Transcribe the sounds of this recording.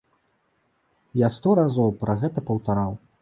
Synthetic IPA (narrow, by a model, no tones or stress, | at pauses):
jast̪ɔɾazɔwpɾɐɣɛt̪ɐpɐwt̪aɾaw